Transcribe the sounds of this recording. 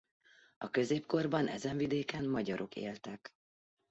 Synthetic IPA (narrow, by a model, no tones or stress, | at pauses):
ɒkø̞zeːpko̞rbɒnʔɛ̰zɛɱvid̪eːkɛnmɒɟɒɾʔo̞kḛːlt̪ɛk